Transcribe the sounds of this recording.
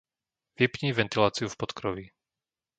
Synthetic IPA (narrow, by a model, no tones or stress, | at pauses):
ʋipɲiːʋɛnt̪ilaːt͡siufpɔt̪kɾɔʋi